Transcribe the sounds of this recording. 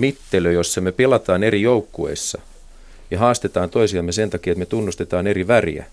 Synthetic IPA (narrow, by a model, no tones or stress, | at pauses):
mit̪ːeløjosːɑmepelɑt̪ɑːnerijoukːuḛsːɑ | jɑɦɑːst̪et̪ɑːnt̪oisiɑmːesent̪ɑkiːet̪met̪unːust̪et̪ɑːneriʋærḭæ̰